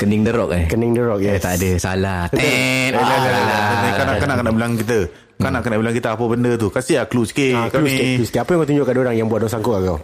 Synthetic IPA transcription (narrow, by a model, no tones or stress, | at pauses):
kənɪŋdəɾɔk̚əkənɪŋdəɾɔk̚jat̪aʔadəsa̰lat̪ɛalasaaaakanakanaʔkanaʔbəlaŋkit̪̬ə | kanaʔkanaʔbilaŋkit̪əapəbəndət̪̬ukasiakluskekaluieuskeapəjaŋkat̪uɲd͡ʒʊʔkadaoɾaŋjaŋbuat̪̚dɔŋsaŋkʊkakaw